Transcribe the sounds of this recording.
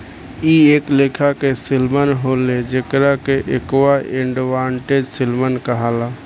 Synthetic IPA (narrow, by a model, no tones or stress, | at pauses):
ieːkleːkʰakesɪlmənɦoːled͡ʒekɾakeʔekwaẽɳɖʋaːɳʈed͡ʒsɪlmənkəɦaːlaː